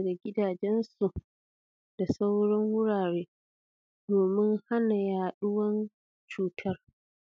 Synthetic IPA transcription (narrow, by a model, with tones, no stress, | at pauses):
ɡa˨ɡʲɪ˦daː˨d͡ʒɛ˦nsu˨ʔ | d̥a˨sa˦wɽɔ˦ŋwʊ˦ɽaː˨ɽeː˦ | doː˨mɪ˦ŋha˦na˨jaː˨ɗʊ˦wɐ˦n | t͡ʃuː˨tʰɐ˦r